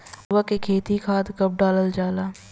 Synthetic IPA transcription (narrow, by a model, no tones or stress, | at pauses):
ʋəkekʰeːt̪ikʰaːt̪kɐp̚ɖaːləld͡ʒaːlaː